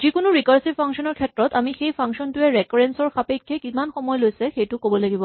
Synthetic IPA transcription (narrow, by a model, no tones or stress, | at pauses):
zikʊnʊɹikaɹsipʰaŋksɔnɔɹkʰɛtɹɔtamixejpʰaŋksɔntʊɛɹɛkɔɹɛnsɔɹxapekʰːɛkimanxɔmɔjlojsɛxejtʊkobɔlaɡibɔ